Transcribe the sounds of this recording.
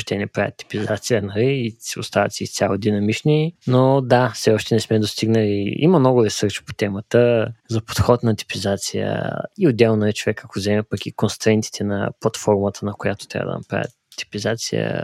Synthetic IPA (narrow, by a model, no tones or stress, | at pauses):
ʃt̪ɛnɛpɾa̰vʲə̰t̪ːi̥pizat̪sijənɐliːʊ̰st̪avɐ̰t̪sɛḭst̪ʲalˠod̪inɐmit͡ʃninod̪afsɛɔʃt̪ɛnɛsmɛd̪ost̪iɡnəliimɐmnɔɡʊɾɛsɤɾt͡ʃi̥po̥t̪ɛmət̪əzɐpo̥t̪xɔt̪nɐt̪i̥pizat̪sijə̰iod̪ːɛlˠnɛt͡ʃovɛkːakozɛmɛpɐkikonst̪ɾɛnt̪i̥t̪ʰɛnɐ̰plˠɐt̪fɔɾmət̪ʰənɐkojat̪ʊ̥t̪ɾʲa̰bə̰d̪ɐ̰nɐ̰pɾa̰vʲə̰t̪ːi̥pizat̪sḭjə̰